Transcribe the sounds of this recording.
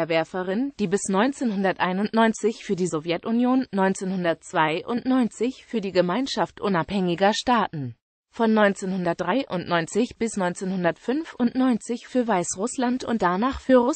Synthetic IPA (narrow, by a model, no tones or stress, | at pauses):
ɐvɛɐfəʁɪnd̥iːbɪsnɔʏnt͡seːnhʊndɐtʔaɪnʊntnɔʏnt͡sɪçfyːɐdiːzɔvjɛtʔʊnjoːnːɔʏnt͡seːnhʊndɐt̚t͡sv̥aɪʔʊntnɔʏnt͡sɪçffyːɐdiːɡəmaɪnʃaftʔʊnaphɛŋɪɡɐʃtaːtn̩ | fɔnːɔʏnt͡seːnhʊndɐt̚d̥ʁaɪʔʊntnɔʏnt͡sɪçb̥ɪsnɔʏnt͡seːnhʊndɐtfʏnfʔʊntnɔʏnt͡sɪçfyːɐvaɪsʁʊslantʊ̰nt̚d̥anaːχfyːɐʁʊ